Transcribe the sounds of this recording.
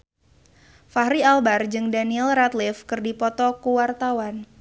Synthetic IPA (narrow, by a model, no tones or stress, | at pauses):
faɦɾialbard͡ʒɨŋdaniɛlrat̪lɪfkɨrdipɔt̪ɔkuwart̪awan